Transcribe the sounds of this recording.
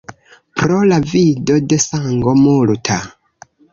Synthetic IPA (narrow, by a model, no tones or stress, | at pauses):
pɾolavidode̞saŋɡomultʰa